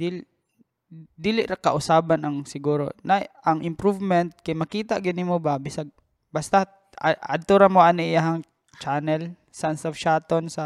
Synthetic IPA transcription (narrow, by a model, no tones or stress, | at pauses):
d̪ilɪ | d̪iːlɪʔɾɐkɐʔʊsaːbɐnɐŋsɪɡuːɾo̰nɐʔɐŋʔɪmpɾuvmɛnt̪̚kɐjmɐkiːt̪ɐɡɪnɪmobɐbɪsɐɡ̚ | bɐst̪ɐ | ɐ̰d̪̚t̪oɾɐmoʔanoʔɪjaɦɐŋ | t͡ʃaːnɛl | sɐʔansɐfʃaːt̪onsɐ